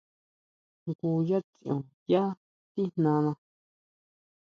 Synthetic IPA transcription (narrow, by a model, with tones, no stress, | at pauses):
ŋku˧ja˦t͡si˨ʔõ˨ | ja˦ | t̪i˦n̥nã˧nã˧